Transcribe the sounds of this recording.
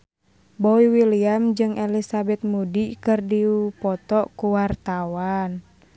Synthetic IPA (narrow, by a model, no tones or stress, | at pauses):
bɔiwiliamd͡ʒɨŋʔɛlisabɛt̪̚mudikɨrdiupɔt̪ɔkuwart̪awan